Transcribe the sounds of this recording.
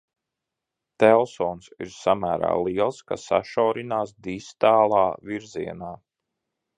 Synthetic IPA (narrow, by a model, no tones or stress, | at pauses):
t̪ɛlˠsɔːnsḭɾsamæːɾa̰ːlˠiɛlˠskasaʃɔwɾinaːsd̪ist̪aːlˠɑːviɾziɛnaː